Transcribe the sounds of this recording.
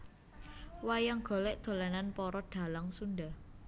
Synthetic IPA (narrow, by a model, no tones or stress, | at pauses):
wajaŋɡ̥o̤lɛʔd̪̥o̤lananpɔɾɔd̥a̤laŋsundah